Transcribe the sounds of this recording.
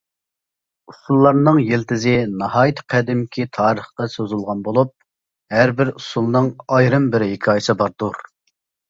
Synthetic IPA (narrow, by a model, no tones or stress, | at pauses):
usulˠːɑɾnɨŋjelt̪ʰɪzɪnɑɦɑːjit̪qʰɛd̪ɪmkʲʰit̪ʰɑːɾəχqɑsøzɪlˠʁɑnbolˠup̚ | hæɾbɪɾusulˠnɨŋɑjɾɨmbɪɾɪɦɪkʲʰɑːjɪsɨbɑɾd̪uɾ